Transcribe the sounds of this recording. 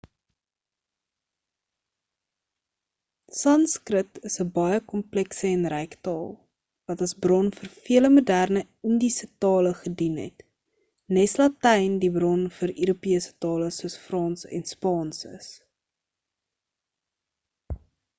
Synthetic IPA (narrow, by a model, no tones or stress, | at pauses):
sɐnskrətʰəsəbɐjəkɔmplɛksəɛnrɛjktɑːlˠ | vɐtɐsbrɔnfərfiələmodærnə | əndisətɑːləχədinɦɛ̰t | nɛslɐtɛjndibrɔnfəɾøɾupiəsə̥tɑːləsuəsfrɑːnsɛ̰nspɑːnsə̰s